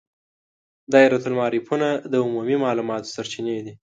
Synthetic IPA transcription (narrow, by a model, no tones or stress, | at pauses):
d̪ɑeɾat̪ʊlmɑɾipunad̪əʊmumimɑlumɑt̪o̥saɾt͡ʃined̪i